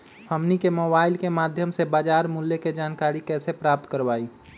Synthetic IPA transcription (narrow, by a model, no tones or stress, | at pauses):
fʰəmnikemoːbaːɪlkemaːd̪ʱjəmsebaːd͡ʒaːɾmʊljeked͡ʒaːnkaːɾikɛːsepɾaːp̚t̪kəɾʋaːiː